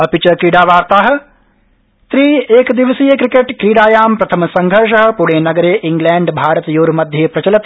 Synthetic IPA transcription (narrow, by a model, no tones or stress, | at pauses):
ɐpit͡ʃɐkɾiːɽaːʋaːɾt̪aːɦɐ̆ | t̪ɾiːeːkd̪iʋɐsijɐkɾikeʈkɾiːɽaːjaːmpɾɐt̪ʰɐmɐsɐŋɡʱɐɾʃ̬ɐɦɐ̆puɽeːnɐɡɐɾeːʔiŋɡlaːɳɖbʱaːɾɐt̪joːɾmɐd̪ʱjeːpɾɐt͡ʃɐlɐt̪